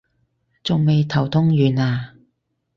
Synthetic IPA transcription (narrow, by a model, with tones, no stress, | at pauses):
t͡sʊ˨ŋme˨jt̪ʰɐ˨˩wt̪ʰʊ˥ŋjyː˨naː˧